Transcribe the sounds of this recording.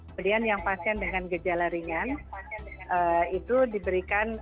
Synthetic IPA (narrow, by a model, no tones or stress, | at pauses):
udianjaŋpasiandəŋanɡəd͡ʒalaɾiŋan | ʔəit̪udibəɾikan